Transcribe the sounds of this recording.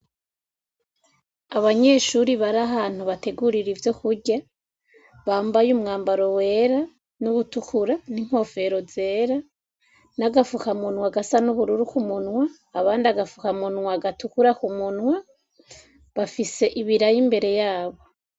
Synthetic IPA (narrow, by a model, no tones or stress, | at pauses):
aβaɲe̞ʃuɾiβaɾaɦaːn̥huβate̞ɡuɾiɾivjo̞kuɾɟa | βaːmbajumŋaːmbaɾo̞we̞ːɾa | nuβutukʰuɾaniŋ̥ho̞ːfe̞ɾo̞ze̞ːɾa | naɡafukamunwaɡasanuβuɾuɾukumunŋwaː | βaːndiaɡafukamunŋwaɡatukuɾakumunŋwa | βafise̞ʔiβiɾajimbe̞ɾe̞jaːβo̞